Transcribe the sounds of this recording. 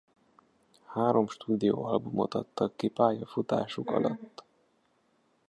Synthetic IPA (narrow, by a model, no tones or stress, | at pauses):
haːɾo̞mʃt̪uːd̪ijoːɒlbumo̞t̪ɒt̪ːɒkːipaːjɒfut̪aːʃukɒ̰lɒt̪ː